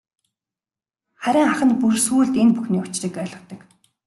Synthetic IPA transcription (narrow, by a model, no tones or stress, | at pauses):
χæɾʲɪ̆ŋaχə̆npursuːɮt̪enpuxniːʊt͡ɕriːkœːɮə̆t̪ə̆k